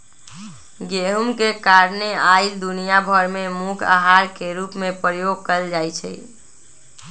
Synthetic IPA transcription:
ɡeɦumkekaɾneaɪld̪unijabʱəɾmemukʰa̰ɦaɾkeɾupmepɾjoɡ̚kəld͡ʒajt͡ʃʰɛ̰

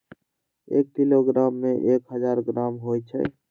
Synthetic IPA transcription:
ḛkːiloɡɾamːẽʔekɦəd͡ʒaɾɡɾamɦojt͡ʃʰə̰

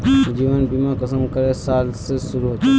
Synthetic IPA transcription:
d͡ʒiːʋənbimakəsəmkəɾesaːlsesʊɾuɦod͡ʒa

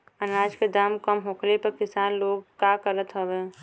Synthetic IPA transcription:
ənaːd͡ʒked̪aːmkəmɦokʰlepəɾkɪsaːnloːɡkːakəɾət̪ɦəbeː

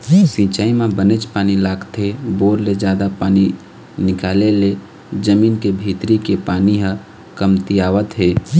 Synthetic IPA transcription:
sĩːt͡ʃaːimẽbənet͡ʃpaːnilaːɡt̪ɦeboːɾled͡ʒjaːd̪apaːni | nɪkaːlele | d͡ʒəmiːnkebʱiːt̪ɾikepaːniɦə̃ | kəmt̪ijaːʋət̪ɦeː

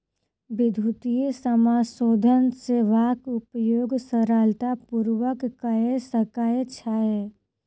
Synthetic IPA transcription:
bɪd̪ʱut̪ijesəmaːsoːd̪ʱənseʋaːkʊpjoːɡsəɾaːlt̪apuɾwəkːəɦesəkaːet͡ʃʰaːe

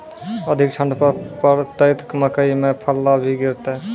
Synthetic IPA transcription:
əd̪ʱik̚ʈʰə̃ɳɖpəpəɾt̪əjt̪kməkəimẽpʰəlːabʱiɡɪɾt̪e

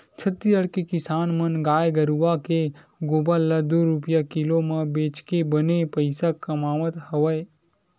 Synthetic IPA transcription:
t͡ʃʰət̪ːiəɽkekɪsaːnmənɡaːjɡəɾuʋake | ɡoːbalːad̪oɾupjakilomɐ̃beːt͡ʃkebənepəɪsakɐmaːʋət̪hɐʋəj

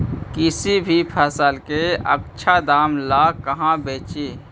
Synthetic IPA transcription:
kɪsibʱipʰəsəlkeə̰k̚t͡ʃʰad̪aːmlaːkəɦãbeːt͡ʃe

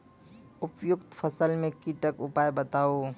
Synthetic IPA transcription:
ʊpjʊkt̪pʰəsəlmẽkiʈəkʊpajbət̪ao

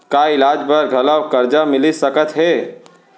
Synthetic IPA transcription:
kaːɪlaːd͡ʒbəɾɡʱɐləwkɐɾd͡ʒamɪlisɐkət̪ɦɛː

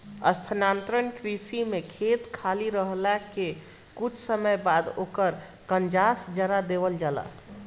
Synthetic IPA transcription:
ə̰st̪ʰənant̪ɾənkɾisimekʰet̪kʰaliɾəɦlake | kut͡ʃʰsəməjbad̪o̰kəɾ | kənd͡ʒasd͡ʒəɾad̪ebəld͡ʒala̰

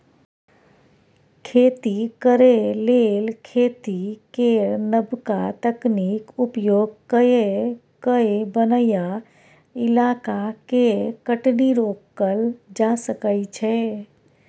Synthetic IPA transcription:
kʰeːt̪ikəɾelelkʰeːt̪ikeɾnəbkat̪əknikupjoːɡ̚kəje | kəebənəja | ɪlaːkakekəʈniɾoːkːəld͡ʒasəkəit͡ʃʰɛ

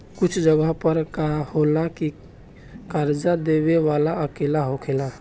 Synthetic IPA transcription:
kʊt͡ʃʰd͡ʒəɡəɦpəɾkaholaki | kəɾd͡ʒad̪eweʋalaəkelaɦokʰela

